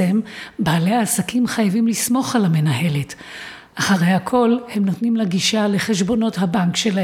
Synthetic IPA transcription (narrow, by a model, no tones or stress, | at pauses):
embaːle̞jaːsakimχajavimlismo̞χalame̞naɦe̞let | ʔaχaʁe̞jakʰo̞lhe̞mno̞tnimlaɡiʃale̞χe̞ʃbo̞no̞thabaŋkʃela